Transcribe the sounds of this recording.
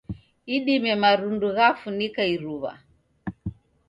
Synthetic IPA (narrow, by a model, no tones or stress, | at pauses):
iɗimɛmaɾunduɣafunikaiɾuβa̰